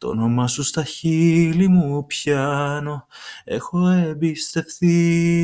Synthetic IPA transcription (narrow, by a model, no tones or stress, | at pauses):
t̪o̰nomɐsust̪ɐçilimupçɐno̞e̞̰xo̞ebist̪e̞fθi